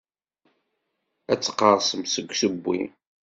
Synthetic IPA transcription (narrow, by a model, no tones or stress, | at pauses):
æt͡sːə̥qːəʁsəmsəɡʷːsəbːḭ